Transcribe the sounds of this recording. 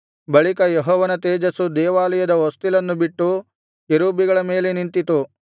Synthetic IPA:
bɐɭikɐjeɦɔːʋɐnɐt̪eːd͡ʒɐsud̪ɛːʋaːlɐjɐd̪ɐost̪ilɐnːubiʈːu | jeɾuːbiɡɐɭɐme̞ːlenint̪it̪u

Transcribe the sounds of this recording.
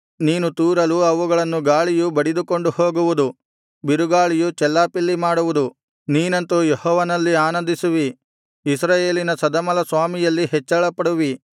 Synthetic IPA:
niːnut̪uːɾɐluɐʋuɡɐɭɐnːuɡaːɭijubɐɽid̪uko̞ɳɖuhoːɡuʋud̪u | biɾuɡaːɭijut͡ʃɛlːaːpilːimaːɽuʋud̪u | niːnɐnt̪ujehɔːʋɐnɐlːiaːnɐnd̪isuʋiː | s̬ɾaːje̞ːlinɐsɐd̪ɐmɐlɐsʋaːmijɐlːiɦɛt͡ʃːɐɭɐpɐɽuʋi

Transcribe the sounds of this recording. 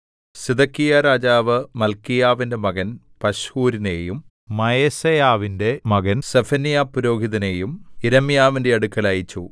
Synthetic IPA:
sid̪ɐkːijaɾaːd͡ʑaːʋɨmɐlkijaːʋinde̞mɐɣɐn | pɐɕhuːɾine̞jum | mɐjesɐjaːʋinde̞mɐɣɐnsefɐnijaːpːuɾo̞ːɡʱiðɐne̞ːjumiɾɐmijaːʋinde̞ɐɽukːɐlaːjit͡ɕːu

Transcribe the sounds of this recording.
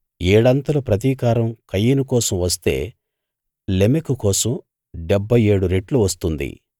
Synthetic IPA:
eːɽɐnt̪ɐlupɾɐt̪̬iːkaːɾɐmkɐjːinukɔːsɐmʋɐst̪e̞̰ː | lemekukɔːsɐm | ɖebʱːɐjeːɽuɾeʈluʋɐst̪und̪ḭ

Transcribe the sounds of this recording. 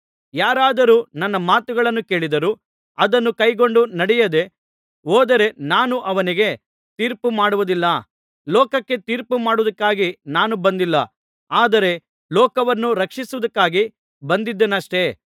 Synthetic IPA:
jaːɾaːd̪ɐɾuːnɐnːɐmaːt̪uɡɐɭɐnːuke̞ːɭid̪ɐɾu | ɐd̪ɐnːukɐjɡo̞ɳɖunɐɽɛjɐd̪e̞ | ɔːd̪ɐɾe̞naːnuʔɐʋɐniɡe̞ | t̪iːɾpumaːɽuʋud̪ilːɐ | lɔːkɐkːe̞t̪iːɾpumaːɽuʋud̪ɐkːaːɡinaːnubɐnd̪ilːɐ̰ | aːd̪ɐɾe̞ | lɔːkɐʋɐnːuɾɐkʂisuʋɐd̪ɐkːaːɡi | bɐnd̪id̪ːenɐʂʈe̞

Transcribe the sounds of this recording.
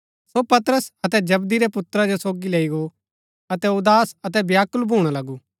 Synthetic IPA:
sopɐt̪ɾəsɐt̪ɛd͡ʒɐbd̪iɾɛpʊt̪ɾad͡ʒosoːɡileːiɡo | ɐt̪ɛʊd̪aːsɐt̪̬ɛbjaːkʊlbʱuːɽ̃alɐɡuː

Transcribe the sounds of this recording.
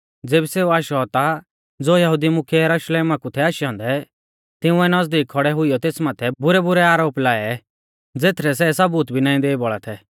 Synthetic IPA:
d͡zeːbiseːuaːʃɔɦɔt̪a | d͡zoːjɐɦʊd̪imʊkʰjɛjɐɾʊʃleːmakut̪ʰɛaːʃɦɔ̃ːnd̪ɛ | t̪ɪ̃ũɛnɐzd̪iːkʰɔɽɛɦʊijɔt̪eːsmaːt̪ʰɛbʊɾɛbʊɾɛaːɾoːplaːɛ | d͡zeːt̪ʰɾɛs̬ɛsɐbuːt̪bʱinãːĩd̪eːibɔɭat̪ʰɛ

